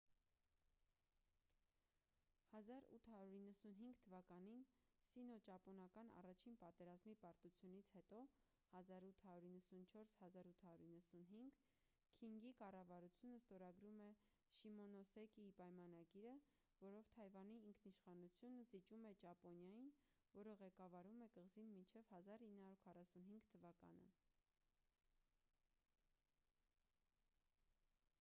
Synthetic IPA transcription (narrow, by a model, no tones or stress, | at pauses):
hɑzɑɾṵt̪ʰhɑɾuɾinːəsunɦiŋɡt̪ʰəvɑkɑninsinɔt͡ʃɑpɔnɑkɑnɑ̰rɑt͡ʃʰinpɑt̪ɛɾɑzmipɑɾt̪ut͡sʰjunit͡sʰhɛt̪ɔ | hɑzɑɾut̪ʰhɑjuɾinːəsunt͡ʃʰɔɾshɑzɑɾut̪ʰhɑɾjuɾinːəsunɦiŋɡ | kʰiŋɡikɑrɑvɑɾut͡sʰjunəst̪ɔɾɑɡɾumɛ | ʃimɔnɔsɛkiipɑjmɑnɑɡiɾə | vɔɾɔvt̪ʰɑjvɑniːŋkʰniʃχɑnut͡sʰjunəzit͡ʃumɛt͡ʃɑpɔnjɑjin | vɔɾəʁɛkɑvɑɾumɛkəʁzinmint͡ʃʰɛvhɑzɑɾinːhɑuɾkʰɑrɑsunɦiŋɡt̪ʰəvɑkɑ̰nə̰